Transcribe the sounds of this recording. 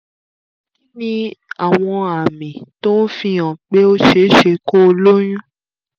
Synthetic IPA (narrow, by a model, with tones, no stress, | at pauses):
ki˦nĩ˦a˦˨w̃ɔ̃˧a˨mĩ˨to˦n̩˦fĩ˧ã˨k͡pe˦o˦ʃe˧˦ʃe˧ko˦o˧lo˦j̃ũ˦